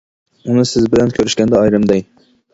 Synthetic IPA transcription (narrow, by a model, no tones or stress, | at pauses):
unɨsɪzbɪlɛnkʲʰøɾyʃkʲɛnd̪ɛɑjɾɨmd̪ɛj